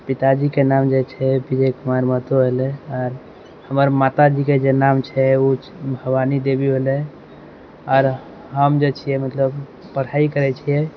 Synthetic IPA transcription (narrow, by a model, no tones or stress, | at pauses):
pit̪ad͡ʒikenamd͡ʒet͡ʃʰɛbid͡ʒekumaɾmət̪oɦelɛɔːɾ | həməɾmat̪ad͡ʒiked͡ʒenamt͡ʃʰɛu | bʱəbanid̪ebibelɛ | ɔːɾ | ɦəmd͡ʒet͡ʃʰijɛmət̪ləb | pəɽ̤aikəɾɛt͡ʃʰijɛ